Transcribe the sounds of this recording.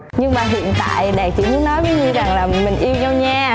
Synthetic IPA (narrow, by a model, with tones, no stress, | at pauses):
ɲɨ˧ŋɓaː˨˩ɦḭ˧˨ənt̪a̰ː˧˨jɗɛː˨˩k̚t͡ɕḭ˧˩˦mɨ˨˧˦nɔ˨˦jvəː˨˦jɲɨ˧za˨˩ŋlaː˨˩mï˨˩ŋ̟ʔi˧əwɲə˧wɲaː˧